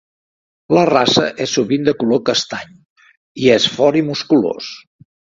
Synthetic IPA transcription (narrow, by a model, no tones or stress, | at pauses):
lərasə̰ʔɛsːuβind̪əkulokəst̪aɲ | iesfɔɾimuskulo̰s